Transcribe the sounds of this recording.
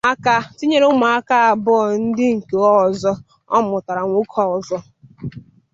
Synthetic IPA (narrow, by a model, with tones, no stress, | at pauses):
a˦ka˦ti˦ɲe˦ɾe˦ʊ˦ma˨a˦ka˦a˨bʊ˦ɔ˨n̩˦dɪ˦ŋ̩˨ke˨ɔ˦˨zɔ˦ | ɔ˦mʊ˨ta˨ɾa˨ŋʷu˦kʰɔ˦˨ɔ˨zɔ˦